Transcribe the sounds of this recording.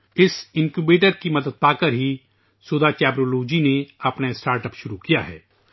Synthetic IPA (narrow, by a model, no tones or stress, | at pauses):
ɪsɪ̃nkjubeːʈəɾkimɐd̪əd̪̚paːkəɾɦi | suːd̪at͡ʃɛːbɾoːloːd͡ʒineɐpnaɪsʈaːɾʈəpʃʊɾukija̰ɦɛ̰ː